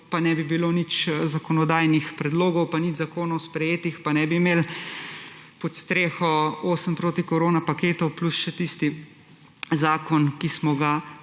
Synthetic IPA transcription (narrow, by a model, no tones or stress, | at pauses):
panɛbibiloːnit͡ʃzakɔnɔd̪aːjnixpɾɛd̪loːɡɔwpanid͡ʒzakoːnɔwspɾɛjeːt̪ixpanɛbimeːl | pɔt̪st̪ɾeːxɔoːsəmpɾoːt̪ikɔɾoːnapakeːt̪ɔwplusʃɛt̪ist̪i | zaːkɔnkismɔɡa